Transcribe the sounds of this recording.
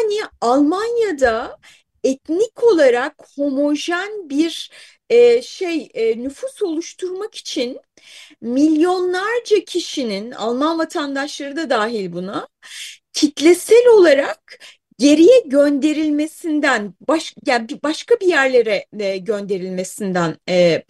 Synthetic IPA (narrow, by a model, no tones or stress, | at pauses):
anialˠmanjad̪a | ɛt̪nikʰo̞lˠaɾakho̞mo̞ʒænbiɾ | ɛːʃejːnyfuso̞lˠuʃt̪ʰuɾmaki̥t͡ʃʰin | milʲjo̞nlˠaɾd͡ʒacʰiʃinina̰lˠmanvat̪ʰand̪aʃlˠaɾɯd̪ad̪aːɦilʲbuna | t̪ʰit̪lʲesælʲo̞lˠaɾak̚ | ɟe̞ɾijɛɟønd̪e̞ɾilʲme̞sind̪ænbaʃjabibaʃkabijæɾlʲe̞ɾɛɟønd̪e̞ɾilʲme̞sind̪ænɛ